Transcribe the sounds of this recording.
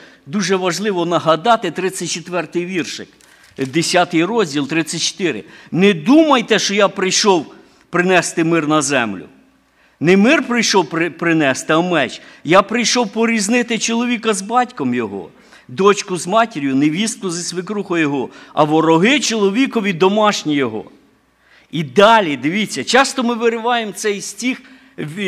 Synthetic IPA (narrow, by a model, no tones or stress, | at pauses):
d̪uʒɛʋɐʒlˠɪʋɔnɐɦɐd̪ɑt̪ɪt̪ɾɪt͡sʲːɐt̚ʲt͡ʃet̪ʋɛrt̪ɪjʋʲirʃɪk | d̪esʲat̪ɪjrɔzʲdʲilˠt̪ɾɪt͡sʲsʲːɐt̚ʲt͡ʃɔ̥t̪ɪɾɪ̰nɛd̪umɐjt̪ɛʃt͡ʃɔjapɾɪjʃɔw | pɾɪnɛst̪ɪmɪrnɐzɛmlʲʊ̰ | nɛmɪrpɾɪjʃɔwpɪpɾɪnɛst̪ɪɐmɛt͡ʃjapɾɪjʃɔwpɔɾʲiznɪt̪ɪt͡ʃɔlˠɔʋʲikɐzbɑtʲkɔmjɔɦɔ̰ | d̪ɔt͡ʃkʊzmɑtʲɪɾʲjʊnɛʋʲist̪kʊzɐsʲʋɪkɾuxɔjɔɦɔɐ̰ʋɔɾɔɦɪt͡ʃɔlˠɔʋʲikɔʋʲid̪ɔmɑʃnʲijɔɦɔ̰ | id̪ɑlʲid̪ɪʋʲit͡sʲːɐt͡ʃɑst̪ɔmɪʋɪɾɪʋɑjemt̪sɛjsʲtʲix | ʋʲ